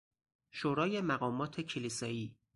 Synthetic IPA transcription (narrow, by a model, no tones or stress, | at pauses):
ʃoːɾɒːje̞mæɣɒːmɒːt̪ʰe̞cʰeliːsɒːiː